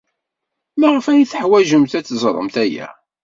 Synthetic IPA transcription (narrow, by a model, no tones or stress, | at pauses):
mæʁəfæjiθħwæʒəmt̪æt͡sːzˤɾˤə̰mt̪æjæ̰